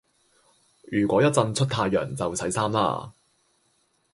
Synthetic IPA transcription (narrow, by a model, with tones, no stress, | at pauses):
jyː˨˩kʷɔː˨˧˥jɐ˥t̚t͡sɐ˧nt͡sʰɵ˥t̚t̪ʰaː˧jːœ̰ː˨˩ŋt͡sɐ˨wsʰɐ˨˥jsaː˥mla̰ː˧